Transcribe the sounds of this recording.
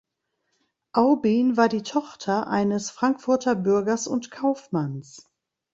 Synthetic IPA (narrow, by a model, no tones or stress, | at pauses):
ʔaʊbinvaːɐdiːtʰɔχtʰɐʔa̰ɪnəsfʁ̥aŋkfʊɐtʰɐbʏɐɡɐsʊ̰ntkʰaʊfmans